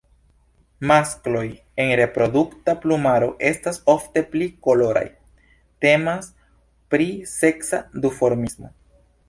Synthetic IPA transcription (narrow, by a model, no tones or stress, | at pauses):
masklo̞j | e̞nɾe̞pɾo̞duktaplumaɾo̞ʔe̞stasofte̞pliko̞lo̞ɾa̰j | te̞mas | pɾise̞ksadufo̞ɾmismo̞̰